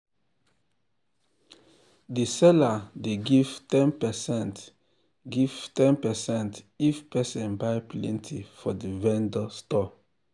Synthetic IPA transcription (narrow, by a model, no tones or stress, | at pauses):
disɛladeɡiv̥tɛ̃npɛsɛ̃nt | ɡiv̥tɛ̃npɛsɛ̃nt | ifpɛsɛ̃nbaɪplɛ̰̃ntʰifɔdivɛ̃ndɔstɔ